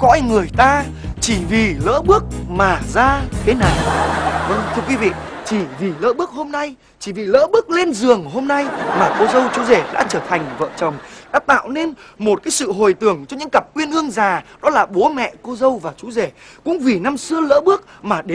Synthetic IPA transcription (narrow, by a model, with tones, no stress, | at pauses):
kɔ̰˧˥jŋɨ˨˩əjt̪aː˧ | t͡ɕi˧˩vi˨˩lə̰ː˧˥ɓɨ˦˥ək̚maː˨˩zaː˧t̪ʰe˨˦na˨˩jvə˧ŋt̪ʰɨ˧əkwi˨˦vḭ˧˨ | t͡ɕi˧˩vi˨˩lə̰ː˧˥ɓɨ˦˥ək̚ho˧mna˧j | t͡ɕi˧˩vi˨˩lə̰ː˧˥ɓɨ˦˥ək̚le˧nzɨ˨˩əŋɦo˧mna˧jmaː˨˩ko˧zə˧wt͡ɕu˨˦ze˧˩ɗa̰ː˧˥t͡ɕəː˧˩t̪ʰa˨˩jŋ̟və̰ː˧˨t͡ɕə˨˩wŋ͡mɗa̰ː˧˥t̪a̰ː˧˨wne˧nmo˨˩t̚kaː˨˦jsɨ̰˧˨ɦo˨˩jt̪ɨ˧˩əŋt͡ɕɔ˧ɲɨ̰˧˥ŋkə˨˩p̚kwi˧ənʔɨ˧əŋzaː˨˩ɗɔ˨˦laː˨˩ɓo˨˦mɛ̰˧˨ko˧zə˧wvaː˨˩t͡ɕu˨˦ze˧˩kʊ̰˧˥ŋ͡mvi˨˩na˧msɨ˧ələ̰ː˧˥ɓɨ˦˥ək̚maː˨˩ɗe˨˦